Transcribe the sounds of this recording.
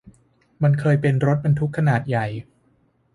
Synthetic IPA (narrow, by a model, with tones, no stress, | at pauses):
ma˧nkʰɤː˧jpe˧nɾo˦˥t̪̚ba˧nt̪ʰu˦˥kʰːa˧naː˨˩t̪̚ja˨˩j